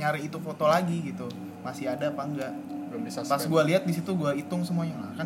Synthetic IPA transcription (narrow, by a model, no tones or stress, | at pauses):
ɲaɾɛit̪ufot̪olaɡiɡit̪u | masiadaːpaəŋɡaʔ | ispassɡualiɦat̪̚dis̬it̪uɡuait̪ʊŋsəmuaɲalakan